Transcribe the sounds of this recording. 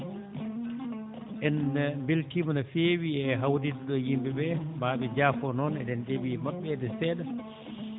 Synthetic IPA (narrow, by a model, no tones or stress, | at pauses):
ʔɛnmbilkimnafeːwiɛɦawdiɗuɗɔjimbɛbɛbaːɓɛd͡ʒaːfɔnɔnɛ̰dɛnɗebimaɓːɛdɛsɛːɗa